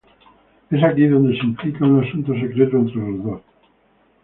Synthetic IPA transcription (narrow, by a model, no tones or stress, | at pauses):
esakiðo̞nd̪esimplikaunasunt̪os̬ekɾet̪oent̪ɾelozðos